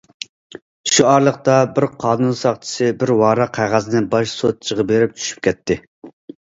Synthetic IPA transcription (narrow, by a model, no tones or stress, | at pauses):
ʃuɑɾlˠəqt̪ɑbɪɾqʰɑːnunsɑχt͡ʃʰi̥sɪbɪɾwɑːɾɑqʰæʁæzɪnɪbɑʃsot̪̚t͡ʃʰəʁəbeɾɪp̚t͡ʃʰy̥ʃy̥p̚kʲɛt̪ʰːɪ